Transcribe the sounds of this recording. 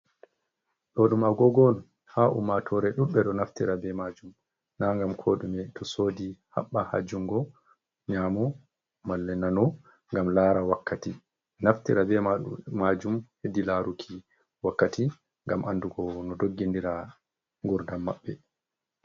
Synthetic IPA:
ɗɔɗumaɡɔɡɔn | haʔṵmːatʰɔɾɛɗuɓːɛɗɔnaftiɾabɛmad͡ʒum | naŋɡamkʰɔɗumɛtʰɔsoːdiha̰ɓːaha̰d͡ʒːuŋɡɔ | ɲaːmɔ | malːɛnanɔ | ŋɡamlaːɾawakʰːati | naftiɾabɛmad͡ʒumhedilaɾukʰi | wakːati | ŋɡamʔanduɡɔnɔdoɡːindiɾa | ŋɡuɾdamːa̰ɓːɛ

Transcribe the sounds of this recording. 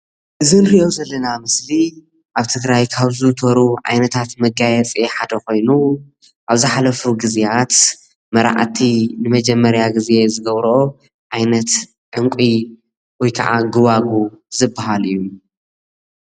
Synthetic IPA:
ʔɨzɨnɾiʔozɐlːɐnamɨsli | ʔaβt̪ʰɨɡɾajkʰaβzɨt̪ʰoɾuʕa̰jnɐt̪ʰat̪mɐɡajɛt͡sʼeħad̪ɐko̞jnu | ʔaβzɨħalɐfuɡɨzeat̪ | mɐɾa̰ʕt̪ʰinɨmɐd͡ʒɛmːɐɾjaɡɨzezɨɡɐβɾʔo | ʕajnɐt̪ | ʕɨŋkʷʼi | wɔjkʰa̰ʕa̰ɡɨβaɡuzɨbːaɦalijːu

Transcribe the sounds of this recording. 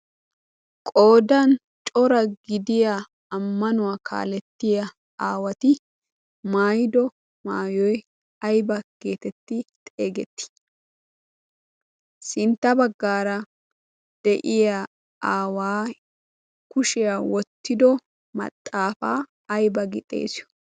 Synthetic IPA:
kʼo̞ːd̪ɐn | t͡ʃʼɔɾɐɡɪd̪ɪjaː | mːɐnʊwaːkʰa̰ːlɛt̪ːɪjɐ | aːwɐt̪ɪ | maːjɪd̪ɔ | maːjɔj | ɐjbɐɡ̥eːt̪ɛt̪ːɪt̪ʼe̞ːɡɛt̪ːɪ̥ | sɪnt̪ːɐbɐɡːaːɾɐ | d̪̥ɛʔɪja | ʔaːwaː | kʊʃɪjawɔt̪ːɪd̪ɔ | mɐ̰t̪ʼːaːfaː | ɐjbɐɡɪt̪ʼe̞̰ːsɪjɔ̥

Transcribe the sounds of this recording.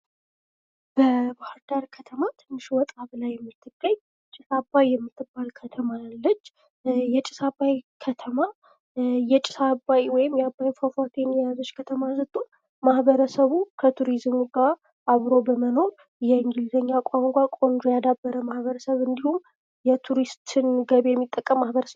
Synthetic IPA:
b̥əbahaɾd̪aɾkʰət̪ʰəmat̪ʰɨnːɨʃwɔt̪ʼaβlajːɛmːɨt̪ʰːɨɡːəɲ | t͡ʃʼɪsabːajːɛmːɨt̪ʰːɨbːalkʰət̪ʰəmalːət͡ʃː | jɛt͡ʃʼɪ̥sabajkʰət̪ʰəma | jɛt͡ʃʼɪ̥sabajwɔjɪmjabːajfafat̪ʰenjazo̞t͡ʃːkʰət̪ʰəmazɨt̪ʼːu | mahβəɾəsəβukʰət̪ʰuɾizmuɡa | ʔaβɾo̞bəməno̞ɾ | jɛɨŋɡɨlzəɲːakʷʼamŋɡʷakʷʼo̞nd̪ɾojad̪abːəɾəmahβəɾəsəβɨnd̪ihum | jɛt̪ʰuɾist̪ɨnɡəβejɛmːit̪ʼːəkʼːəmːahbəɾəsəβ

